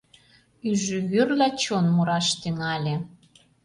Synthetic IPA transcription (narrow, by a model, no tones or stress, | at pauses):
yʒøβørlʲæt͡ɕonmuɾɑʃt̪iŋɑlʲe